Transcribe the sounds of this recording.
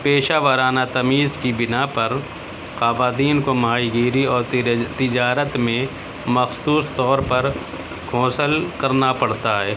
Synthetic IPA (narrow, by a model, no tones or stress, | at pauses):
peːʃaːʋəɾaːnat̪ɐmiːzkibɪnapɐɾ | qaːbaːt̪iːnkomɐɦaːiɡiːɾiɔːɾt̪ɪd͡ʒaːɾət̪mẽ | mɐxsuːst̪ɔːɾpɐɾ | kʰoːsəlkɐɾnapɐɽ̤t̪aɦɛː